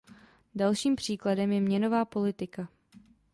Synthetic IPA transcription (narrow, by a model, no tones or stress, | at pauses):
dalʃiːmpr̝̥iːkladɛmjɛmɲɛno̞vaːpo̞lɪt̪ɪka